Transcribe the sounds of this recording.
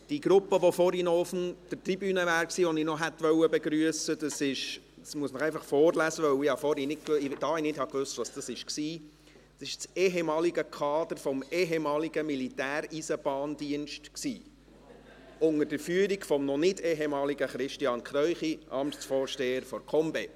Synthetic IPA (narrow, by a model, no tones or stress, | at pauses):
d̥iɡ̥ɾʊpːəʋɔfɔɾhinɔfn̩d̥ətribyːnəvæːɾksiːʋɔninɔɦɛt̪ʋœwəbeɡɾyəsəd̥əsɪʃsmuəsnəχæɪfɑχfɔːrlæsəʋœwɪhɑfɔɾhinɪt̚kɪd̥ɑːinɪdhɑkʋʉst̪ʋɑsd̥ɑsɪʃksiː | d̥ɑsɪʃt͡seɦemɑːliɡəkʰɑːd̥əɾfɔmeɦemɑːliɡəmilitæːɾisəb̥ɑːnd̥iənʃtksiː | ʊŋəɾd̥əɾfyːəɾiɡfɔmnɔnɪdeɦemɑːliɡəχɾɪʃtiɑːnkʰɾœʏχiʔɑmtsfɔːɾʃteːəɾfɔɾkʰɔmbe